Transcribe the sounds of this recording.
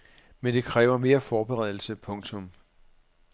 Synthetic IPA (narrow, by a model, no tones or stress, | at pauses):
mend̥e̝kʰʁɛːʊɐme̝ːɐfɒːb̥eʁɛð̞̰ˠl̩səpʰɔ̽ŋt͡sʰɔ̽m